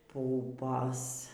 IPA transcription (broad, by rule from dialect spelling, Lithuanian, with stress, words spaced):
ˈpʊpoːs